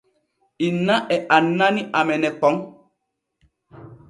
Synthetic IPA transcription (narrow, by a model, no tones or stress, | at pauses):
inãʔɛʔanːãnĩʔamɛnɛ̃k͡pɔŋ